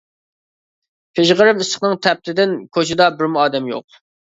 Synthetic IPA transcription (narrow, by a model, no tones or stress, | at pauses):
pʰeʒʁəɾɪmisə̥χnɨŋt̪ʰɛp̚t̪ʰɪd̪ɪnkʲʰøt͡ʃʰɪd̪ɑbɪɾmuɑːd̪ɛmjo̰q̚